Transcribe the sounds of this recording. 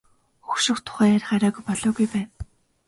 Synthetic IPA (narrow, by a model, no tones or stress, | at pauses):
xu̥ʃɪ̆χt̪ʰʊ̥χæːjærʲχaɾʲæːɣujpɔɮɔːɣujpæːn